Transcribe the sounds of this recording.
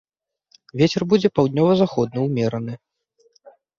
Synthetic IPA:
vʲet͡sʲɛrbud͡zʲɛpawd̪ʲnʲɔvɐzaxɔd̪̚nɐwmʲɛɾɐnɨ

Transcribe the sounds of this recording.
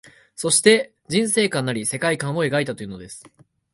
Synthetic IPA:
so̞ɕi̥t̪e̞ | d͡ʑĩɰ̃se̞ːkãnːaɾʲise̞kaikãɰ̃o̞e̞ɡait̪at̪o̞iɯ̟ːno̞d̪e̞sɨ̥

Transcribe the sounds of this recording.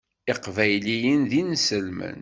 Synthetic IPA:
ɪqvæjlijənðinsəlmə̰n

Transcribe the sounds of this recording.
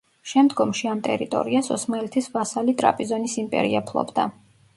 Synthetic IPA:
ʃɛmd̪ɡɔmʃiamt̪ʼɛ̰ɾit̪ʼɔ̰ɾiasɔsmaɛlɛt̪ʰisvasalit̪ʼɾa̰pʼizɔnisimpʼɛ̰ɾḭapʰlˠɔ̰bd̪a̰

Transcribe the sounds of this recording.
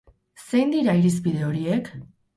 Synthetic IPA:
se̞jnd̪iɾaiɾis̬pið̞e̞o̞ɾiek

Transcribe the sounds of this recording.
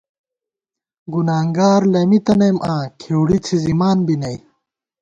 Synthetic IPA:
ɡunaːŋɡaːɾlɐmit̪ɐnɐjmʔãːkʰewɽit͡sʰizimaːnbinɐj

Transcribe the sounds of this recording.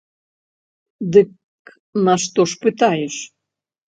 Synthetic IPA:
d̪ɨk | nɐʂt̪ɔʂpɨt̪ajɛʂ

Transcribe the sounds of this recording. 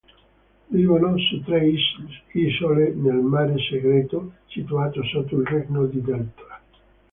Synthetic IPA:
livonɔst̪ɾeiskisolenelmaːɾeseɡɾeːt̪osit̪uaːt̪osot̪ːoilrɛknod̪id̪ɛlt̪ɾa

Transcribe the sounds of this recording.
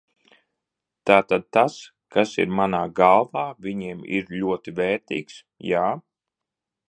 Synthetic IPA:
t̪aːt̪ad̪̚t̪as | kasḭɾmanaːɡalˠvaːvʲiɲiɛmḭɾʎʲuɔt̪ivɛːɾt̪ḭːks | jaː

